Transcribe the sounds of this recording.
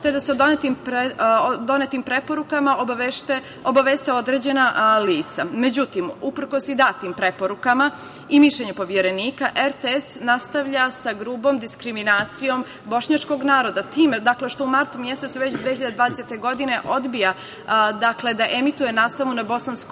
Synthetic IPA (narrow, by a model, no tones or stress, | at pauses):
t̪e̞d̪ased̪onet̪imped̪o̞net̪impɾe̞po̞ɾukamaʔobaʋeʃt̪e | obaʋeːst̪eo̞d̪ɾe̞d͡ʑe̞naliːt̪samed͡ʑut̪imupr̩ko̞sid̪aːt̪iːmpɾe̞po̞ɾukama | imiʃʎeɲupo̞ʋjeɾe̞niːkaʔeɾt̪eesnast̪aʋʎasaɡɾuːbo̞md̪iskɾiminaːt̪sijo̞m | bo̞ʃɲat͡ʃko̞ɡnaːɾo̞d̪at̪iːmed̪akle̞ʃt̪o̞umaɾt̪umje̞se̞t̪suʋeçt͡ɕd̪ʋehiʎad̪ed̪ʋaːd̪eset̪eɡo̞d̪ine̞ʔo̞d̪bija | d̪akle̞d̪aʔe̞mit̪uje̞naːst̪aʋunabo̞sansk